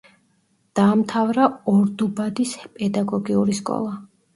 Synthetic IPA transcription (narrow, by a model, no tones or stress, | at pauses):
d̪̥aːmt̪ʰavɾaɔɾd̪ubad̪ispʼɛd̪aɡɔɡiuɾiskʼɔ̰lˠa